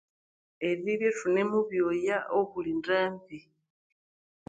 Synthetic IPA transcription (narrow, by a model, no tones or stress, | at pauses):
eβiβjeʂune̞muβjojaʔoβulindaːmvi